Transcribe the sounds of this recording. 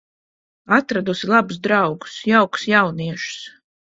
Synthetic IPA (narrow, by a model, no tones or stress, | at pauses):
at̪ɾad̪usilˠabusd̪ɾawɡu̥sjawku̥sjawniɛʃu̥s